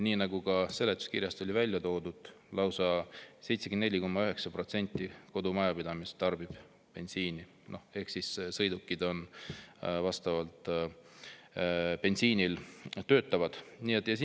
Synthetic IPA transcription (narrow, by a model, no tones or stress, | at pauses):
niːnɑɡuɡɑse̞lːet̪ːˑu̥skirjɑst̪o̞lʲivælʲjɑt̪o̞ːd̪̥ud̪̥ | lɑwsɑse̞jt̪sekenne̞lʲːiko̞mːɑyɦe̞ksɑpro̞t̪se̞nʲt̪ʲˑːiko̞d̪umɑjɑpid̪ɑmist̪t̪ːɑrb̥ib̥ | pe̞nsiːni | no̞he̞hksissɤ̞jd̪ukːˑid̪̥o̞n | vɑst̪ɑvɑlt̪ | pe̞nsiːnilt̪ːøːt̪ːˑɑvɑd̪̥niet̪ːˑjɑs